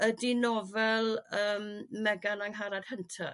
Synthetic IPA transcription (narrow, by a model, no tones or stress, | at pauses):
ədɪnɔvɛlˠəːmmɛɡanaŋɦaɾad̥həntʰa̰